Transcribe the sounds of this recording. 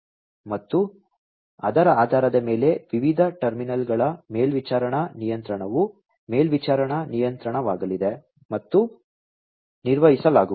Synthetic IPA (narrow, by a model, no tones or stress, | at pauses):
mɐt̪ːu | ɐ̰d̪ɐɾɐaːd̪ʱaːɾɐd̪ɐme̞ːle̞ʋiʋid̪ʱɐʈɐɾminɐlɡɐɭɐme̞ːlʋit͡ʃaːɾɐɳɐnijɐnt̪ɾɐɳɐʋu | me̞ːlʋit͡ʃaːɾɐɳɐnijɐnt̪ɾɐɳɐʋaːɡɐlid̪e | mɐt̪ːu | niɾʋɐɦisɐlaːɡu